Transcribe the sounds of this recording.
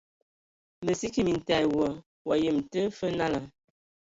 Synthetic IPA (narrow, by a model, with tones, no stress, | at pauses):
mə˨si˦ki˦˨mi˨n̩˨ta˨jwɔ˨ | wa˨jə˨mtə˦fə˦na˦la˨